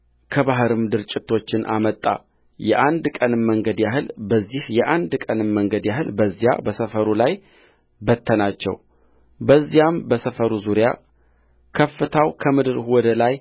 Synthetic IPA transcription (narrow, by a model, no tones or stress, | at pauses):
kʰəbaɦɨɾɨmd̪ɨɾt͡ʃʼɪt̪ʰo̞t͡ʃːɪnʔa̰mət̪ʼːa̰ | jɛʔand̪kʼənɨmːəŋɡəd̪jaɦɨlbəzːihjɛʔand̪kʼənɨmːəŋɡəd̪jaɦɨlbəzːja̰bəsəfəɾulaj | bət̪ʰːənat͡ʃːɛ̰w | bəzːijambəsəfəɾuzuɾja | kʰəfːɨt̪ʰawkʰəmɨd̪ɨɾwɔd̪əlaj